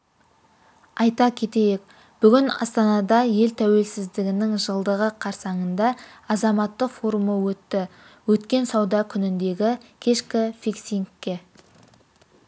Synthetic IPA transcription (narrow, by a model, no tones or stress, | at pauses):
ɑjt̪ɑkʲʰe̞t̪e̞jek | b̥ʏɡʲɪnɑ̰st̪ɑnɑd̪ɑje̞lt̪ʰæwe̞lsɪzd̪ɪɡʲɪnɪŋʒəlˠd̪əʁəqʰɑɾsɑɴənd̪ɑ | ɑzɑmɑt̪ːəqfo̞ɾuməwɵt̪ːɪ | wɵt̪kʲe̞nsɑwd̪ɑkʲʰʏnɪnd̪e̞ɡʲɪkʲʰe̞ʃkʲɪfiksiŋkʲːe̞